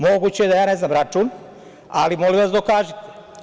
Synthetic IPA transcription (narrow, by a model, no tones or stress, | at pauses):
mo̞ɡut͡ɕejed̪ajaːne̞znaːmɾat͡ʃuːn | alimo̞liʋasd̪okaːʒit̪e̥